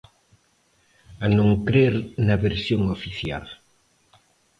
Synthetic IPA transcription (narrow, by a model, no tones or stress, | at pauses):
anõŋkɾeɾnɐβeɾsjoŋofiθja̰l